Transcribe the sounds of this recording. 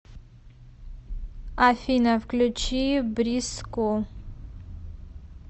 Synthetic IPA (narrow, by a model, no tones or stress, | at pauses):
afʲinavklʲut͡ʃʰibɾiskʷʼu